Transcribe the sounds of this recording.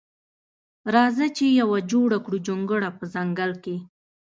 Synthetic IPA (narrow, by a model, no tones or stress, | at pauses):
ɾɑzat͡ʃejawad͡ʒoɽakɽud͡ʒoŋɡəɽapəzaŋɡalke